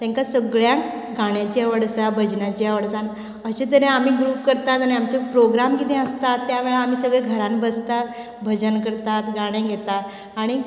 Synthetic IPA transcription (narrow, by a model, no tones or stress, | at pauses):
t̪jãŋkasəɡɭjãk | ɡaɽ̃jat͡ɕaʋəɽsãbʱəd͡ʑnat͡ɕiaʋəɽsan | əɕẽt̪əɾẽam̤iːɡɾuːpkəɾt̪at̪aɽ̃iamt͡ɕepɾoɡɾamkit̪ẽəst̪at̪ːjaʋeɭeam̤iːsəɡɭeɡʱəɾanbəst̪a | bʱəd͡ʑənkəɾt̪at̪ɡaɽ̃ẽɡʱet̪aː | ɽ̃i